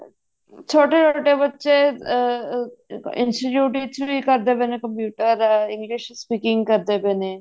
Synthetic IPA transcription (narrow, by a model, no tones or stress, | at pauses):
t͡ʃʰoːʈeːt͡ʃʰoːʈeːbətːʃeː | ɪ̰nsʈɪʈjuːʈit͡ʃʋikəɾd̪eːbeːnekəmpjuːʈəɾɪ̃ŋɡlɪʃspiːkɪ̃ŋɡkəɾd̪eːbeːneː